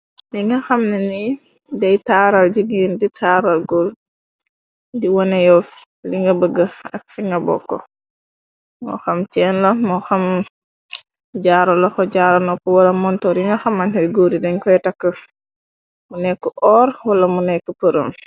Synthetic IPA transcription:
diŋɡɐxɐmnɛni | dɛjtaːɾald͡ʒiɡiːnditʰaːɾalɡoɾ | diwɔnɛjɔf | liŋɡɐbəɡːəɐ̰k̚fiŋɡɐbɔ̰kːɔ̰ | ŋɔ̰xamt͡ʃɛːnlɔmɔxam | ɟaːɾɔlɔxɔɟaːɾɐnɔpɔwɐlɐmɔntɔɾiŋɡɐxɐmːantɐiɡoɾidɛɲkɔjtɐkːə | munɛkːəʔɔːɾwɐlɐmunɛkːəpəɾom

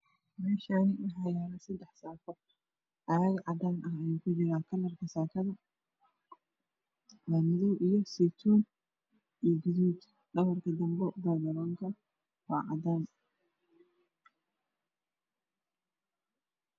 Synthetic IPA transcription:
mɛːʃaːnɪwɑħɑːjaːnɐsɐd̪ɛħsaːfɔ | ʔɐjɐɣɐʕɑd̪aːnʔɐɦɐjukʰʊd͡ʒɪɾaːkʰɐlːɐrkʰɐsaːkʰɐðɐ | lamɪðɔwʔijɔsɛt̪ʰuːn | ijɡʊðuːd̪ | ɖɐwɐrkʰɐd̪ɐmbɔd̪ɐlbɐlɔːŋkʰɐ | wɑːʕɑ̰d̪aːn

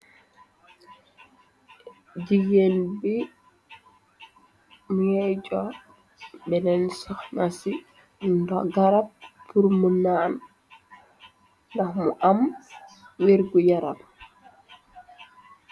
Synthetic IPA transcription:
d͡ʒiɡenbi | mujɛd͡ʒɔ | bɛnɛnsɔhnasi | ndɔɡaɾappːuɾmunan | ndahmuʔam | weɾɡujaɾab

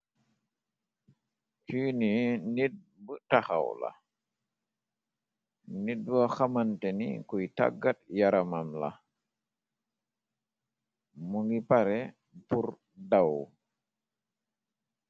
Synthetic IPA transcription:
kiːninid̚ | bətaxa̰wla̰ | nid̚waxamantɛnḭkujta̰ɡːat̚jaɾamamla̰ | muŋɡipaɾɛ | puɾ | daw

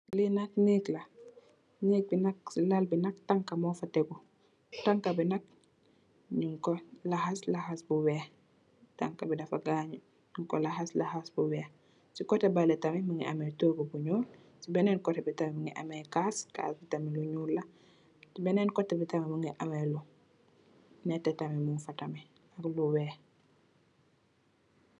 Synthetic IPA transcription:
linatɲeklɐ | ɲeːk̚binɐk̚lalbinɐk̚taŋkɐmɔːfɐtɛɡu | taŋkɐbinɐk̚ | ɲuŋkɔlahaslahasbuwɛː | ta̰ŋkɐbidɐfaɡaːɲu | ɲuŋkɔlaɦaslahasbuwɛː | sikɔtɛbalɛtɐmiməŋiʔɐmɛtoːɡubuɲuːl | sibɛnɛːnkɔtɛbitɐmiməŋɡiʔɐ̰mɛkaːska̰ːsbitɐmiluɲuːlːɐ | sibɛnɛnkɔtːɛbitɐmimuŋɡɛʔɐmɛlu | nɛtɛtɐmimuŋfɐtɐmi | ɐkluwɛː

